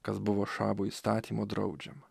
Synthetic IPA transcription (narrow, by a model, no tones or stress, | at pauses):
kɐzbʊʋoːʃɑːbuːist̪ɑːt̪ʲimod̪ɾɐ̰ʊd͡ʒʲɛm